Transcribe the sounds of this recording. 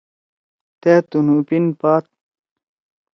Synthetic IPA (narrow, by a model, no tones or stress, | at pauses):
t̪eːt̪unupinpaːt̪̚